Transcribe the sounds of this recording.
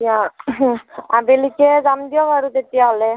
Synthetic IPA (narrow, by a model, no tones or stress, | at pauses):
ija | abelikɛzamd̪ijɔbaɹut̪et̪ijaɦɔlɛ